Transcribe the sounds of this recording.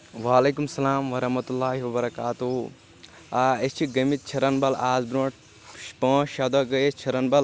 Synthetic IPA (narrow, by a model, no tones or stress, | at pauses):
ʋaːleːkumsɐlaːmʋɐɾɐɦmɐt̪ulːaːɦiwɐbɐɾɐkaːt̪u | aet͡ʃʰiɡɐmit̪̚t͡ʃʰɐɾɐnbɐlaːzbɾõːʈ | ʃpɐ̃ːʃɐd̪ɐɡɐet͡ʃʰɐɾɐnbɐl